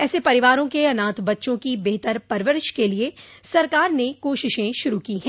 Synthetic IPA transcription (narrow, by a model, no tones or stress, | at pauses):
ɛːsepɐɾɪʋaːɾõkeɐnãːt̪bɐtːʃõkibeɦt̪əɾpɐɾʋəɾɪʃkelie | sɐɾkaːɾnekoːʃɪʃẽʃʊɾukiɦɛ̃ː